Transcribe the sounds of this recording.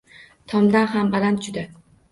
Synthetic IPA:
t̪ʰɒmd̪anɦambalant̪d͡ʒʊd̪a

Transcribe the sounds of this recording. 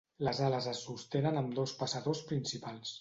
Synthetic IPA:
ləzaləzəsːust̪enənəmd̪ospəsəðospɾinsipalˠs

